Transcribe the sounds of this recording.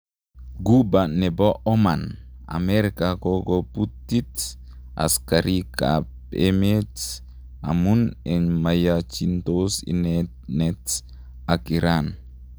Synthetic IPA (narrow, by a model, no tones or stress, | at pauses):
ɡubaneboʔɔmana̰meɾikakokoput̪ːit | a̰skaɾika̰pemet | a̰munɛnmajat͡ʃint̪osḭnɛ | nɛt | akiɾan